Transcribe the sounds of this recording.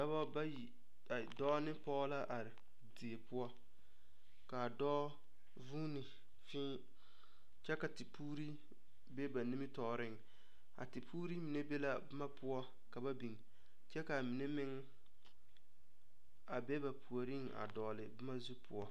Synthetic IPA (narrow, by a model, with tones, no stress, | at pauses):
da˦bɔ˦ba˦ji˨ | a˨dɔː˦nɪ˦pɔ˦la˦ʔa˨ɾɪ˨ | dɪ˨e˨pʊ˦ɔ˦ | ka˨dɔː˦ | vuː˦nɪ˨ | fɪː˦ | t͡ʃɛ˦ka˨tɪ˨puː˦ɾi˦ | bɛ˦ba˨ni˦mɪ˦tɔː˨ɾɪ˦ŋ˨ | a̰˨tɪ˨pʰuː˦ɾi˦mɪ˨nɛ˦be˦la˦bɪ˦ma˦pʊ˦ɔ˦ | ka˨ba˦bi˨ŋ | t͡ʃɛ˦ka˨mɪ˨nɛ˦mɪ˦ŋ˦ | a˨bɛ˦ba˨pʰu˨o˨ɾi˦ŋ˨a̰˨dɔː˨lɪ˨bɪ˦ma˦zu˦pʰʊ˨ɔ˦